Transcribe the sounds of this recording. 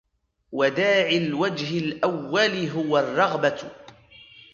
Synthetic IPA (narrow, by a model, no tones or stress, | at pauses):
wad̪aːʕɪlwad͡ʒɦɪlʔawːalɪɦʊwarˤːɑɣba